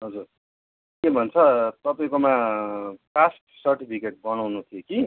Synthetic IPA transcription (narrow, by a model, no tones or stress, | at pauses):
ɦʌd͡zur | kebʱʌnt͡sʰʌt̪ʌpaĩkoma | pasʈ̚sʌrʈipʰikeʈ̚bʌnawnut̪ʰijoki